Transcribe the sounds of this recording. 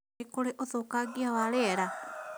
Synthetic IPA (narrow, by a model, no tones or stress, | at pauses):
ekoɾeʔoðoːkaɡiawaɾeɾa